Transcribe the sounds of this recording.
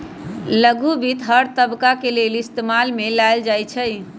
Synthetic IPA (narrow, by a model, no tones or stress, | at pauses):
ləɡʱubit̪ɦəɾt̪əbkakelelist̪emalmelajld͡ʒajt͡ʃʰəj